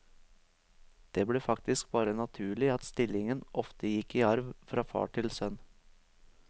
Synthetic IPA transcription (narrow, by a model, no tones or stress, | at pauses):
d̪̥eːbɽeːfɑkt̪ɪsk̚b̥ɑːɾənɑt̪ʰʉːɭɪɑt̪st̪ɪlɪŋənʔɔft̪əjɪkiːɑɾʋfɾɑːfɑ̰ːʈʰɪlsœn